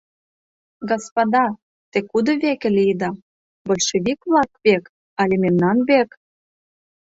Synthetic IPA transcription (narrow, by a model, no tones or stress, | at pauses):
ɡospɑd̪ɑ | t̪ekud̪ŏβekĕlʲijd̪ɑ | bɤ̆lʲʃeβikβlˠɑkβek | ɑlʲememnɑnβek